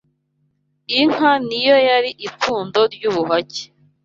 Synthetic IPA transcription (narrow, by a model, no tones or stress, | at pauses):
iŋ̥hanijo̞jaɾiʔikuːndo̞ɾɟuːβuɦace̥